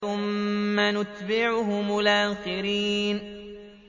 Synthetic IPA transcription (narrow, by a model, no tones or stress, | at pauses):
ʊmːanʊt̪bɪʕʊhʊmʊlʔaːxɪɾiːn